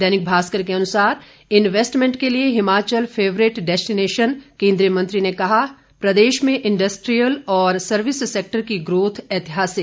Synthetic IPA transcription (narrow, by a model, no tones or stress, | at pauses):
d̪ɛːnɪk̚bʱaːskəɾkeɐnʊsaːɾ | ɪnʋeːsʈmẽɳʈkelieɦɪmaːt͡ʃəlpʰeːʋɾɪʈɖɛːsʈɪneːʃənkẽːnd̪ɾijəmɐ̃nt̪ɾinekɐɦa | pɾɐd̪eːʃmẽʔɪ̃ɳɖəsʈɾijəlɔːɾsɐɾʋɪsːeːk̚ʈəɾkiɡɾoːt̪ʰɛːt̪ɪɦaːseː